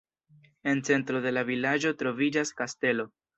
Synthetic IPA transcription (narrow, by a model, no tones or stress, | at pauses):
e̞nt͡se̞ntɾo̞de̞lavilad͡ʒo̞tɾo̞vid͡ʒaskaste̞lo̞